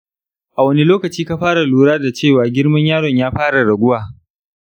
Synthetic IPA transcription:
ʔa˨wɐ˦ni˦loː˦kɐ˨t͡ʃiː˦ka˦ɸaː˦ɽa˨luː˨ɽaː˦da˨t͡ʃeː˦˨waː˨ɡʲɪ˦ɽmɐ˦ɲjaː˦ɽɔ˨ɲjaː˦ɸaː˦ɽa˨ɽɐ˨ɡʷʊ˦waː˨

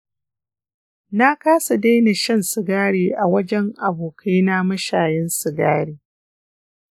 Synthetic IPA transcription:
na˦kaː˦sa˨da˦jna˨ʃɐ˦nsɪ˨ɡaː˦ɽeː˨ʔa˨wɐ˦d͡ʒɛ˦ŋʔa˨boː˨kʰa˦jna˦mɐ˦ʃaː˨jɛ˦nsɪ˨ɡaː˦ɽiː˦

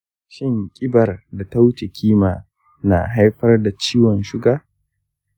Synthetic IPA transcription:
ʃɪ˦˨ŋkʲʼɪ˦bɐ˨rda˨ta˦wt͡ʃe˨kʲʰiː˦ma̰ː˨ | na̰˨ɦa˦jɸɐ˦rda˨t͡ʃiː˦wɔ˨nʃʊ˦ɡaː˨

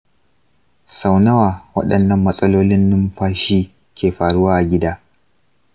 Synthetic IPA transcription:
sa˨wnɐ˦waː˨wɐ̰˦ɗɐ˨nːɐ˨mːɐ˦sʼɐ˦loː˦lɪ˦nːʊ˦mɸaː˦ʃiː˦ | kʲeː˨ɸaː˨ɽʊ˦waː˦ʔa˨ɡʲɪ˦daː˦

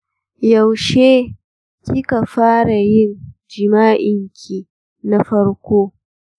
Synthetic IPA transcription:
ja˨wʃeː˦ | kʲɪ˦ka˨ɸaː˦ɽa˨jɪ˦nd͡ʒɪ˨maː˦ʔɪ˨ŋkʲʰi˨ | na˦ɸɐ˦ɽkʷoː˦

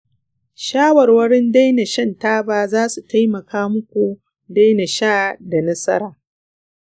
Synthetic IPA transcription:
ʃaː˦wɐ˨rwɐ˦ɽɪ˦nda˦jna˨ʃɐ˦˨ntaː˦baː˦zaː˦su˨ta˦jmɐ˨kaː˦mʊ˦kʷu˨ | da˦jna˨ʃaː˦˨da˨nɐ˦sɐ̰˦ɾaː˨

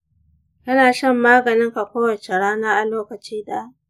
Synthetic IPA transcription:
kɐ˦naː˨ʃɐ˦mːaː˦ɡɐ˨nɪ˦ŋka˨kʷoː˦wɐ˨t͡ʃe˨ɽaː˦naː˦ʔa˨loː˦kɐ˨t͡ʃiː˦ɗa˦ʔ

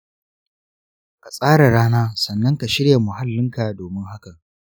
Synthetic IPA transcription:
ka˨sʼaː˦ɽa˨ɽaː˦naː˦sɐ˨nːɐ˦ŋka˨ʃɪ˦ɽja˨mʊ˨ɦa˦lːɪ˦ŋka˨doː˨mɪ˦ŋɦa˦kɐ˨ŋ

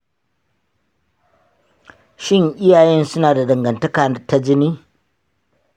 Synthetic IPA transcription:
ʃɪ˦˨ŋʔɪ˦jaː˨jɛ˦nsʊ˦naː˨da˨dɐ˨ŋɡɐ˨ntɐ˦kaː˨nɐ˦ta˦d͡ʒɪ˦niː˦

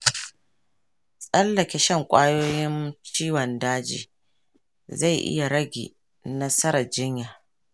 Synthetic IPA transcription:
sʼɐ˦lːɐ˨kʲe˨ʃɐ˦˨ŋkʷʼaː˦joː˦jɪ˦nt͡ʃiː˦wɔ˨ndaː˦d͡ʒḭː˨ | za˦˨jʔɪ̰˦ja˨ɾɐ˦ɡʲḭː˨ | nɐ˦sɐ˦ɾa˨d͡ʒɪ˦ɲjaː˨

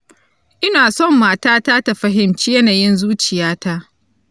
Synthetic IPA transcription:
ʔɪ˦naː˨sɔ˦˨mːaː˨taː˦taː˦ta˨ɸɐ˦ɦɪ˨mt͡ʃiː˦jɐ˦naː˨jɪ˦nzuː˦t͡ʃɪ˨jaː˦ta˦ʔ

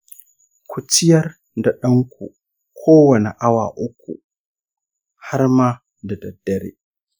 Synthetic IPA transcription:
kʷʰʊ˨t͡ʃɪ˦jɐ˦r | da˨ɗɐ˦ŋkʷʰṵ˨ | kʷʰoː˦wɐ˨ne˨ʔa˦wa̰ː˨ʔʊ˦kʷːṵ˨ | ha˦rmaː˦ | da˨dɐ˨dːɐ˦ɾḛː˦

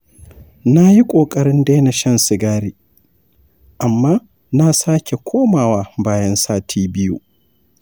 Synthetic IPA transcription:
na˦ji˦kʷʼoː˨kʼɐ˦ɽɪ˦nda˦jna˨ʃɐ˦nsɪ˨ɡaː˦ɾiː˨ | ʔa˨mːaː˦ | na˦saː˦kʲʰe˨kʷʰoː˦maː˨waː˦baː˦jɐ˦nsaː˦tʰiː˦bɪ˦jṵː˦

